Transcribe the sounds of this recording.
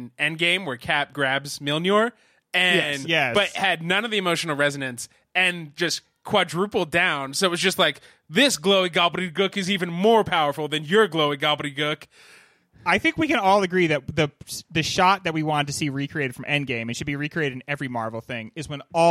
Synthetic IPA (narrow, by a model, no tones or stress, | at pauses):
nɛ̃nɡẽɪ̃mwə˞kʰæp̚ɡ̥ɹæbzmɪlˠnjɔɹ | ɨ̃njɛb̥ʌt̚hɨdⁿnʌ̃nʌvðiɨmoʊʃn̩l̩ˠɹɛzɨɾɨ̃ns | ɨ̃nd͡ʒʌs | kʰw̥ʌdɹʉpl̩ˠdãʊ̃nsoʊt̚wʌzd͡ʒʌstˡlaɪk | ðɪsɡ̥loʊiɡɑlˠbəɾiɡʊkɨzivɨ̃nmɔɹpʰaʊə˞fl̩ˠðɨ̃njə˞ɡloʊiɡɑlˠbəɾiɡʊk | aɪθɪ̃ŋkwikɨ̃nɔlˠɨɡɹiðɨt̚ðɨsðɨʃɑt̪̚ðɨt̚wiwɑ̃ntɨsiɹikʰɹ̥ieɪɾɨd̥fɹʌ̃mʔɛ̃nɡẽɪ̃mɨtʃɨd̚biɹikʰɹ̥ieɪɾɨɾɨ̃n̩ɛvɹimɑɹvl̩ˠθɪ̃ŋɨzwə̃nɔ